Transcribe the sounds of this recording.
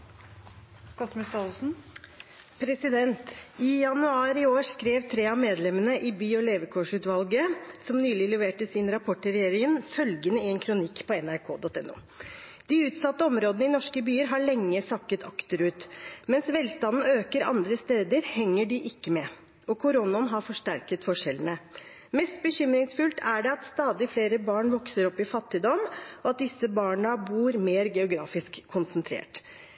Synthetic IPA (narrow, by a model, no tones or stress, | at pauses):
kʰɑsmɪst̪ɑːsn̩ | pʰɾɛsɪd̪ɛnt̪ɪjɑnʉɑːɾɪoːʂkɾeːʋt̪ʰɾeːɑmeːd̪lɛmənəʔɪbyːɔleːʋəkʰɔʂʉːt̪ʋɑlɡəsɔmnyːlɪlɛʋeːʈəsɪnɾɑpʰɔʈəɾɛjeːɾɪŋənfœlɡənəɪɛnkʰɾʊnɪkːpʰɔɛnæɾkʰo̰ːd̪ɔt̪ɛnːṵː | d̪̥ɪʉːt̪sɑt̪ːəɔmɾoːd̪ənəɪnɔʂkəbyːəɾɦɑɭɛŋːəsɑkːət̪ʰɑkt̪əɾʉːt̪mɛnsʋɛlst̪ɑnn̩øːkəɾɑ̰nd̪ɾəst̪eːd̪əɾhɛŋːəɖɪʔɪkːəmɛ | ɔkʰʊɾʊnɔnɦɑɾfɔʂʈæɾkət̪fɔʂɛlənə | mɛst̪̚bəɕʏmɾɪŋsfʉlt̪ʰæɖɛɑt̪st̪ɑːd̪ɪfleːɾəbɑːɳʋɔksəɾɔpːɪfɑt̪ːɪd̪ɔmɔɑt̪̚d̪ɪsːəbɑːɳəbuːɾmeːɾɡɛʊɡɾɑːfɪskʰːʊnsənt̪ʰɾḛːʈ